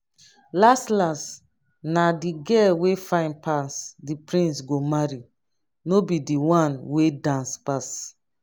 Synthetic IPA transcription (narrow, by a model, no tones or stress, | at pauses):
lastlãns | nadiɡɛwefãɪ̃npasdipɹĩnsɡomaɹi | nobidiwãnwedãnspas